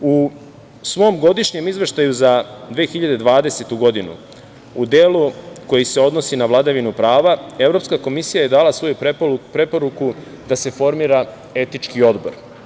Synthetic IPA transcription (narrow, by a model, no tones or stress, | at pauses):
u | sʋo̞mɡo̞d̪iʃɲe̞mizʋe̞ʃt̪ajuzad̪ʋeːxiʎad̪e̞d̪ʋaːd̪e̞se̞t̪uɡo̞d̪inṵ | ud̪e̞ːluko̞jise̞o̞d̪no̞sinaʋlˠad̪aʋinupɾaːʋae̞vɾo̞pskako̞misijaje̞d̪aːlasʋo̞jupɾe̞po̞ɾuku | d̪ase̞fo̞ɾmiːɾa | e̞t̪nit͡ʃkio̞d̪bo̞̰ɾ